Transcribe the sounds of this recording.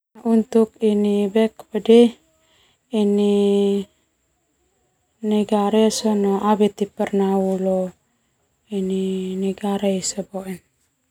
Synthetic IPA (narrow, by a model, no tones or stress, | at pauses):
aʔunt̪ukinibɛkbədɛ | ini | niɡaɾesonoabɛt̪ipərnaulo | ininiɡaɾeisaboʔin